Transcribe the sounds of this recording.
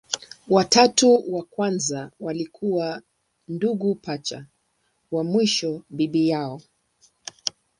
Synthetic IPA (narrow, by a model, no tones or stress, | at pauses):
watatuwakwanzawalikʰuwa | nduɡupat͡ʃa̰ | wamwiʃɔɓiɓijaɔ